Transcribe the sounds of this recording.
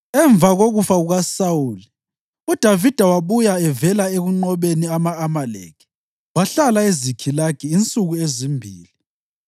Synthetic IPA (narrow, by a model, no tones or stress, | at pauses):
ɛɱvʱaɣoɣufaɣuɣasauːli | ud̥ʱavid̥ʱawaβujaɛvɛlaeɣuŋ͡ǃɔβeniamaːmalḛkʰi̥ | waɬalaezikʰilaɡ̥ʰiːnt͡sʼuɣuezimbʱḭːli